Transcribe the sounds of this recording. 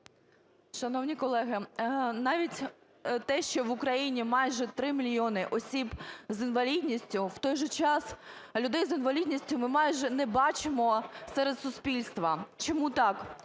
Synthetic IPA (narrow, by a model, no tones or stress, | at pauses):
ʃɐnɔwnʲikɔlˠɛɦɪnɑʋʲitʲ | t̪ɛʃt͡ʃɔʋʊkɾɐjinʲimɑjʒɛt̪ɾɪmʲilʲjiɔnɪʔɔsʲibzinʋɐlʲid̪ʲnʲisʲtʲʊwt̪ɔjʒɛt͡ʃɑslʲʊd̪ɛjzinʋɐlʲidʲnʲisʲtʲʊmɪmɑjʒɛnɛbɑt͡ʃɪmɔsɛɾed̪sʊspʲilʲst̪ʋɐt͡ʃɔmut̪ɑk